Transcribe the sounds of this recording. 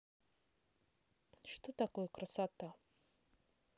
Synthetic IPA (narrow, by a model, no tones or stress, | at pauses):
ʃt̪ʰɨt̪akʷekʰrasat̪ʰa